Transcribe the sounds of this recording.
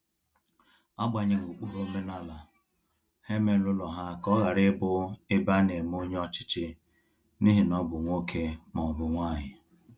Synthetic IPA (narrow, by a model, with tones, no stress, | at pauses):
a˦ɡ͡ba˨ɲe˨ŋu˨k͡pu˨ɾo˦me˦na˦la˨ | he˦me˦lʊ˦lɔ˨ɦa˦kɔ˦ɣa˨ɾɪ˦bʊ˦ɪ˦ba˦ne˨m˦o˦ɲ˦ɔ˦t͡ʃɪ̥˦t͡ʃɪ˦ | ni˦ɦi˨nɔ˦bʊ˨ŋʷo˦kʰe˦mɔ˨bʊ˨ŋʷa˦˨ɲɪ˨